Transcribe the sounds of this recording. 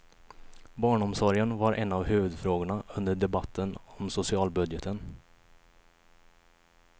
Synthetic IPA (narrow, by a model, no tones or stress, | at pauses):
bɑːɳɔmsɔɾjənvaɾʔɛ̰nːavhʉ̟ːvɵd̪fɾoːɡʊɳaɵnd̪əɖɛbat̪ʰːənɔmsʊsɪɑːlbɵd̪jət̪ʰən